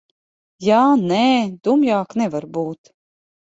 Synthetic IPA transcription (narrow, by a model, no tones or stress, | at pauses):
jaːneːd̪umjaːknɛvaɾbuːt̪